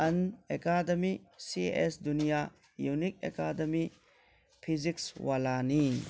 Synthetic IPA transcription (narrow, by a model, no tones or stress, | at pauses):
ɐnekadɐmisiḛʔesdunija | junik̚ḛkadɐmi | pʰizikswalani